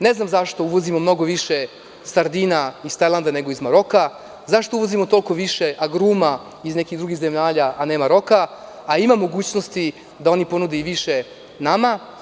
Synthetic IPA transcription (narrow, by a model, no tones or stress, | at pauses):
ne̞znamzaʃt̪o̞uʋo̞zimo̞mno̞ɡoʋiʃe | saɾd̪iːnaist̪ajlˠand̪ane̞ɡo̞izmaɾo̞ka | zaʃt̪ouʋozimot̪o̞lko̞ʋiʃeʔaɡɾuːma | izne̞kid̪ɾuɡixzemaːʎaʔane̞ːmaɾo̞kaː | imamːo̞ɡuːt͡ɕnost̪i | d̪ao̞nipo̞nud̪eiʋiʃe | nama